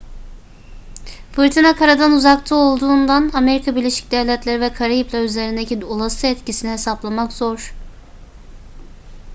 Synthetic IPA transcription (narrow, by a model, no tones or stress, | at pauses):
fɯɾt̪ʰinakʰaɾad̪anuzakt̪ʰɯo̞lˠd̪uːnd̪anameɾikʰabiɾlʲeʃi̥c̚d̪ɛvlʲɛt̪lʲeɾivɛkʰaɾajiplʲˠayze̞ɾind̪eciolˠasɯɛt̪cisinihesaplˠamakzo̞ɾ̥